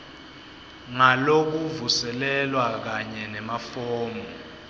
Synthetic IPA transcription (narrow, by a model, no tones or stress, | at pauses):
ŋalok̬uvusɛlɛlwak̬aɲɛnɛmafɔːmbɔ